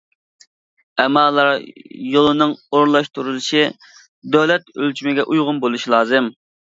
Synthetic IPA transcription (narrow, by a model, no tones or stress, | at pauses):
ɛmɑːlˠːɑɾjolˠɨnɨŋoɾlˠɑʃt̪uɾulˠɨʃi | d̪øwlɛt̪ølt͡ʃʰymɪɡʲɛʔujʁʊnbolˠuʃilˠɑːzɨm